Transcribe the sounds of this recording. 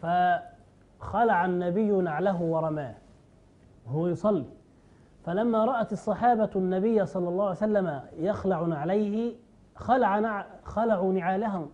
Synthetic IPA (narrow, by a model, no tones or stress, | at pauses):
fa | xɑlaʕanːabɪjːʊnaʕlaɦʊwɑɾˤɑmaːh | hʊwajʊsˤɑlːiː | falamːaːɾˤɑʔat̪ɑsˤːɑħɑːbanːabɪjːsˤɑlːɑlˤːɑːhʕajsalːamajaxlaʕnʕalajhɪ | xalaʕaxɑlaʕuːnɪʕaːlaɦʊm